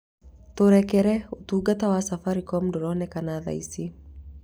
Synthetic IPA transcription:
tɔɾɛkɛɾɛutuɡatawasafaɾikɔm̩dɔɾɔnɛkanaða̰ḭsi

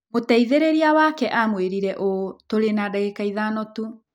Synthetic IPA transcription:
motɛiðeɾeɾiawakɛʔamweɾiɾɛʔotoɾenadaɣekaiðanɔtu

